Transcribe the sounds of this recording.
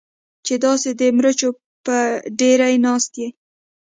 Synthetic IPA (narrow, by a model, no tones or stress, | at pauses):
t͡ʃed̪ɑsed̪əmɾət͡ʃo | pəɖeɾajnɑst̪je